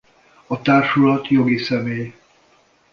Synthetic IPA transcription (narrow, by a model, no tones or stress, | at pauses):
ɒt̪aːrʃulɒt̪jo̞ɡisɛmeːj